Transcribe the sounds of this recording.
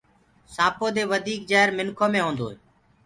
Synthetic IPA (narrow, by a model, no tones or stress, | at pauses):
saːpoːd̪eːʋəd̪ʱiːkd͡ʒaːɦɾmɪnkʰoːmẽːɦõːnd̪oːɦeː